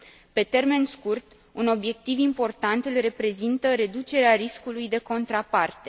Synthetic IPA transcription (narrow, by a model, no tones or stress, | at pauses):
pe̞t̪e̞rme̞nskurt̪ | uno̞bje̞k̚t̪ivimpo̞rt̪ant̪ɨlre̞pɾe̞zint̪əɾe̞d̪ut͡ʃe̞ɾeaɾiskulujd̪e̞ko̞nt̪ɾapart̪e